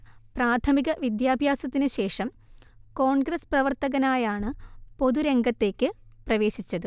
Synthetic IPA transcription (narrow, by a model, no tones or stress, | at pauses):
praːt̪ʰɐmiɣɐʋid̪jaːbʱjaːsɐt̪ːinɨɕe̞ːʂɐm | ko̞ːɳɡɾɐsprɐʋɐrt̪ɐɣɐnaːjaːɳɨpo̞ðuɾe̞ŋɡɐt̪ːe̞ːkːɨprɐʋe̞ːɕit͡ɕːɐðɨ